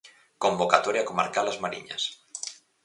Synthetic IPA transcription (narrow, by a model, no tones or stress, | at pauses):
kombokat̪oɾjakomaɾkalazmaɾḭɲa̰s